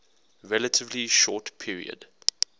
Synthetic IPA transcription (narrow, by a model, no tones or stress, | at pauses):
ɹɛlətʰɪvliʃɔːˑtpʰiəɹḭə̰d̥